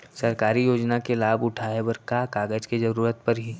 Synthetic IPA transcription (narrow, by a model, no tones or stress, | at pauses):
sɐɾkaːɾijoːd͡ʒnakelaːbʊʈʰaebəɾkaːkaːɡəd͡ʒkezɐɾuːɾət̪̚pɐɾɦiː